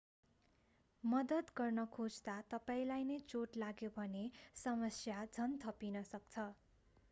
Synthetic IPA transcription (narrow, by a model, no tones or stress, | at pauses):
mʌd̪ʌt̪ɡʌrnʌkʰod͡zt̪at̪ʌpaĩlajnʌjt͡soʈlaɡjobʱʌnesʌmʌsjad͡zʱʌnt̪ʰʌpinʌsʌkt͡sʰʌ